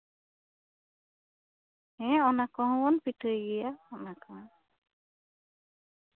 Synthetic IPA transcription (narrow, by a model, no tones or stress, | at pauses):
hɛ̃ɔnakɔɦɔ̃wɔnpiʈʰɯjɡijaɔnaka